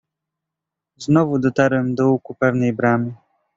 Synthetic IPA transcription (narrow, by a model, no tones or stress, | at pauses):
znɔvud̪ɔt̪aɾwɛmd̪ɔukupɛvnɛjbɾamʲi